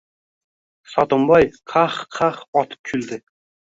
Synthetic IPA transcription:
sɑt̪ombɑjqʰɑχqʰɑχɒt̪ʰə̥p̚kʲʰyld̪ɪ

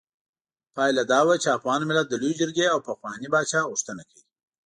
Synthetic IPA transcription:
pɑjlad̪ɑːwat͡ʃeafɣɑːnmɪlat̪̚d̪əlujd͡ʒɪɾɡeawpaxwɑnibɑt͡ʃɑɣʊʂt̪ənakʰawi

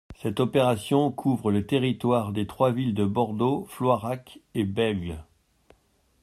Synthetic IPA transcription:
sɛt̪ɔpeʁasjɔ̃kʰuvʁələt̪eʁit̪waʁd̪et̪χwavild̪əbɔʁd̪oflwaʁakebɛlɡ

